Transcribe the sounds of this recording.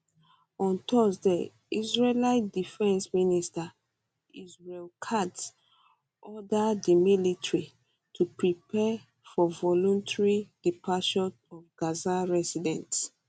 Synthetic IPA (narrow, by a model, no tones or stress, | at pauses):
ɔ̃ntʰɔsde | izɹelaɪtdifɛ̃nsminista | izɹelkʰats | ʔɔdadimilitɹi | tʰupɹipɛ | fɔvɔlɔ̃ntʰɹidipʰaʃɔnɔfɡazaɹɛsidɛ̃nts